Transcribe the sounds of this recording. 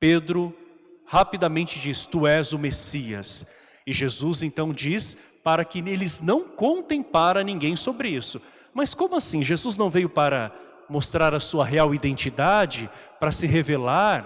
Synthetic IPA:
ped̪ɾʊ | hapid̪amẽnt͡ʃɪd͡ʒist̪uɛzʊmesiɐ̰s | ɪʒezuzẽnt̪ɐ̃w̃d͡ʒis | paɾɐkɪelɪznɐ̃w̃kõnt̪ẽj̃paɾɐnĩɡẽj̃sobɾɪisʊ | mɐskõmʊasĩʒezuznɐ̃w̃vejʊpaɾɐ | most̪ɾaɾɐsuɐɦeawid̪ẽnt͡ʃid̪ad͡ʒɪpɾɐsɪɦevelaɾ

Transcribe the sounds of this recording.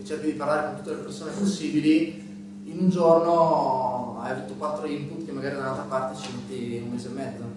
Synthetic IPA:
t͡ʃːɛrkid̪ipaɾrlaːɾekont̪u̥t̪ːelepersoːneɛposːiːbili | inund͡ʒorno | a̰javuːt̪ːokwat̪ːɾoimput̪ːkemːaɡaːɾid̪alalt̪ɾapart̪et͡ʃimet̪ːiumːeːzoemːɛd̪zːo

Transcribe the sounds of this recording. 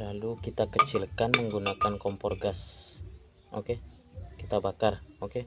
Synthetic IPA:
lalukit̪akət͡ʃilkanməŋɡunakankɔmpɔrɡas | ʔoke | kit̪abakaroke

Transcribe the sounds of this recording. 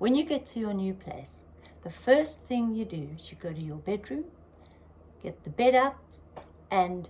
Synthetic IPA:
wə̃njɨɡɛtʰɨjənjʉpʰl̥ḛɪs | ðəfɜˑ˞sθɪ̃ŋjɨdɨʃɨd̚ɡoʊɾɨjəbɛdɹʉ̃m | ɡ̥ɛt̪̚ðəbɛɾʌp̚ | ʔɨ̃n

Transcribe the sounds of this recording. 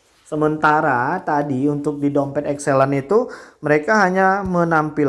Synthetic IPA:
səmənt̪aɾat̪adiunt̪ʊk̚didompɛt̪ɛkselanit̪uməɾekaɦaɲamənampil

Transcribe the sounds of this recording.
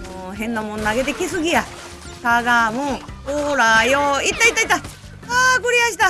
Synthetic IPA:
moɦẽ̞nːamõnːaɡe̞t̪e̞kʲisɨɡʲija | t̪aɡamɯ̃oɾajoit̪ːait̪ːait̪ːa | aːkɯɾʲijaɕi̥t̪a

